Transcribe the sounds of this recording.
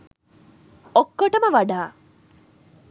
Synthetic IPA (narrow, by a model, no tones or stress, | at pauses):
okːoʈəməʋaɖaː